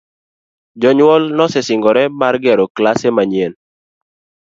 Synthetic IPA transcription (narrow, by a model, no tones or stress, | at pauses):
d͡ʒɔɲwɔlnɔsɛsɪŋɡɔɾɛmarɡɛɾɔklasemaɲen